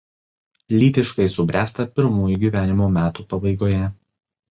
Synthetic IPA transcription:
lʲiːt̪ʲɪʃkɐɪsʊbʲɾʲʔæːst̪ɐpʲɪɾmuːjuˑɡʲiːʋʲæːnʲɪmoːmʲæːt̪upɐbɐɪɡoːjɛ

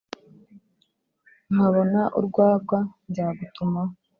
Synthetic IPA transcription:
n̥aβo̞naʔṵɾɡwaːɡɡwanɟaːɡutuma

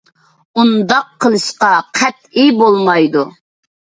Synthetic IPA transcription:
und̪ɑqʰːəlˠɨʃqɑqʰæt̪̚ijbolˠmɑjd̪u

